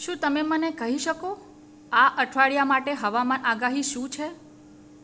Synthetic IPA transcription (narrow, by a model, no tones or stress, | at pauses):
ʃũt̪əmemənekəɦiʃəko | aʔəʈʰʋaɭjamaʈeɦəʋamanʔaɡaɦiʃũt͡ʃʰe